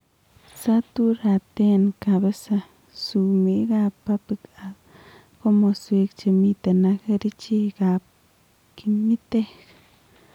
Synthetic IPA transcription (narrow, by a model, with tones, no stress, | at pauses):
sa˦t̪u˦ɾa˧t̪e˦nka˧be˦sa˧ | su˧mi˧ɡa˧pːa˧pi˧ɡa˨b | ko˦mo˧swi˧kt͡ʃe˧mi˧t̪a˨na˧kɾi˦t͡ʃi˦ɡa˧p̚ | ki˧mi˦t̪e˦k